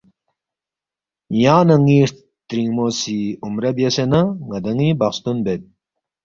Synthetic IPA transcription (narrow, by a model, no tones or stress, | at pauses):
jaːnɐŋiːʂ | t̪ɾiŋmosiumɾɐbjesenɐŋɐd̪ɐŋibɐχst̪unbet̪̚